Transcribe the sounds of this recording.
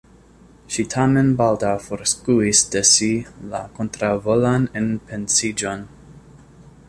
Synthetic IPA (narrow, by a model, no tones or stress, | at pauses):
ʃitʰamenbaldawfoɾskuisdesila̰kontɾavolanenpʰensid͡ʒon